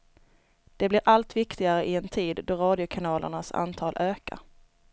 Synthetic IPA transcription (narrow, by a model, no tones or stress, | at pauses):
d̪̥ɛblɪɾʔalt̪vɪkt̪ɪɡaɾəʔɪɛnt̪ʰiːd̪ːɔɾɑːd̪ɪʊkʰanɑːlʔə̰ɳasa̰nt̪ʰɑːlʔøːka̰ɾ